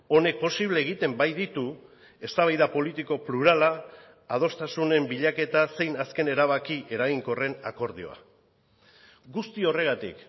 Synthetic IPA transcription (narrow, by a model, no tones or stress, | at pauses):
o̞ne̞k̚po̞siβ̞le̞ːɣit̪e̞mbajðit̪u | e̞st̪aβajðapo̞lit̪iko̞pluɾalaː | ð̞o̞st̪asune̞mbiʎake̞t̪ase̞jnaske̞ne̞ɾaβ̞akiʔe̞ɾaɣiŋko̞re̞na̰ko̞ɾð̞io̞̰a̰ | ɡust̪io̞re̞ɣ̞at̪ḭk